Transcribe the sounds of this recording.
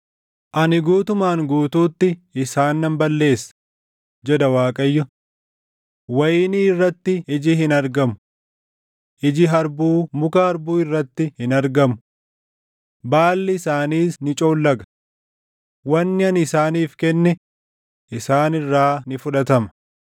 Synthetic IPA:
ʔɐnɪɡuːt̪ʊmaːŋɡuːt̪uːt̪ːɪʔɪsaːnːɐmbɐlːe̞ːsːɐ̥ | d͡ʒɛd̪ɐwaːkʼɐjːʊ | wɐjɪːniːɪrːɐt̪ːɪɪd͡ʒɪhɪnɐɾɡɐmʊ̥ | ʔɪd͡ʒɪɦɐɾbuːmʊkɐhɐɾbuːɪrːɐt̪ːɪhɪnɐɾɡɐmʊ | baːlːɪɪsaːniːsnɪt͡ʃʼoːlːɐɡɐ̥ | wɐnːɪɐnɪsaːniːfkɛnːɛ | ʔɪsaːnɪrːaːnɪfʊᶑɐt̪ɐmɐ̥

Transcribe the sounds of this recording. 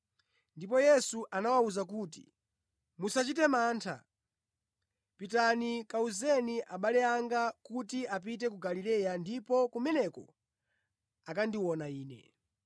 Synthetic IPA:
ndipɔjɛsuʔanawauzakuːt̬ḭ | musat͡ʃitɛmaːntʰa̰ | pitanikauzɛniʔaɓalɛaŋɡakutiap̬it̬ɛk̬uɡalilɛjandipɔkumɛnɛkɔ̰ | akandiwɔnaiːnɛ̰

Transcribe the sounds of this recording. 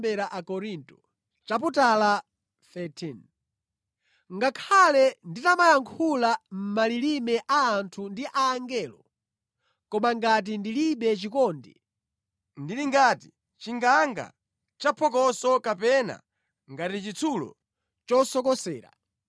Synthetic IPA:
bɛɾaʔakɔɾintɔ̥ | t͡ʃaputala | θɛtʰin | ŋɡakʰalɛnditamajaŋkʰulam̩malilimɛʔaːntʰundiʔaːŋɡɛːlɔ | kɔmaŋɡat̬indiliɓɛt͡ʃikɔːndɛ̰ | ndiliŋɡati̥ | t͡ʃiŋɡaŋɡa̰ | t͡ʃapʰɔkɔsɔkapɛna̰ | ŋɡatit͡ʃit͡sʰulɔ̰ | t͡ʃɔsɔkɔsɛːɾa̰

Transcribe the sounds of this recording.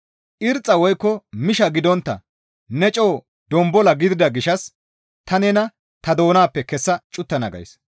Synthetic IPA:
ʔɪɾt͡sʼːɐwɔjkːɔmɪʃɐɡɪd̪ɔnt̪ːɐ̰ | nɛt͡ʃʼo̞ː | d̪ɔmbɔlɐɡɪd̪ɪd̪ɐɡɪʃɐs | t̪ɐnɛnɐ | t̪ɐd̪o̞ːnaːpːɛkɛsːɐt͡ʃʼʊt̪ːɐnɐ̰ɡɐ̰js

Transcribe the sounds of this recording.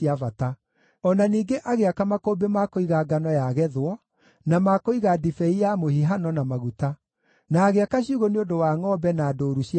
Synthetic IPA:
avata | ɔnaniːɡeʔaɣeakamakobemakoiɣaɡanɔjaɣɛðwɔ | namakoiɣadifɛijamohiɦanɔnamaɣuta | naːɣeakaɕiuɣoneodowaːŋɔbɛnadoːɾuɕi

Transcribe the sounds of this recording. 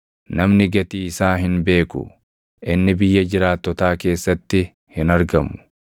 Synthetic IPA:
nɐmnɪɡɐt̪iːɪsaːɦɪnbe̞ːkʊ̰ | ʔɪnːɪbɪjːɐd͡ʒɪɾaːt̪ːɔt̪aːke̞ːsːɐt̪ːɪ | hɪnɐɾɡɐmːʊ̥

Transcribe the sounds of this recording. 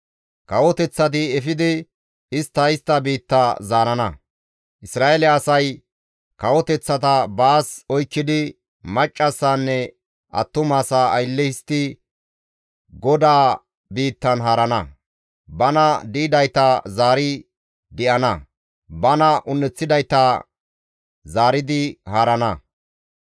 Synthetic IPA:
kɐwɔt̪ɛt͡sːɐt̪̬ɪɛfɪd̪ɪ | ɪst̪ːɐɪst̪ːɐbiːt̪ːazaːɾɐnɐ | ʔɪsɾaːelɛɐsɐj | kɐwɔt̪ɛt͡sːɐt̪̬ɐbaːsɔjkːɪd̪ɪ | mɐt͡ʃʼːɐsːanːɛ | ʔɐ̰t̪ːʊmaːsaːjlːɛɪst̪ːɪ | ɡɔd̪aː | biːt̪ːɐnɦaːɾɐnɐ | bɐnɐd̪iːd̪ɐjt̪ɐzaːɾɪ | d̪ɪʔɐnɐ | bɐnɐʔʊnːɛt͡sːɪd̪ɐjt̪ɐ | zaːɾɪd̪ɪhaːɾɐnɐ

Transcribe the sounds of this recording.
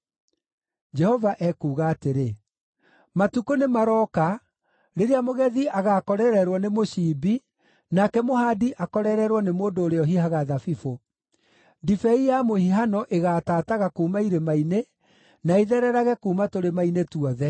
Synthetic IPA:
d͡ʒɛhɔvaʔɛkuːɣaːteɾe | matukonemaɾɔka | ɾeɾeamoɣɛðiʔaɣaːkɔɾɛɾɛɾwɔnemoɕiːbi | nakɛmohadiʔakɔɾɛɾɛɾwɔnemoːndoːɾeɔɦihaɣaðafifo | difɛijamohiɦanɔʔeɣataːtaɣakuːmaiɾemaine | naeðɛɾɛɾaɣɛkuːmatoɾemainetuɔðɛ

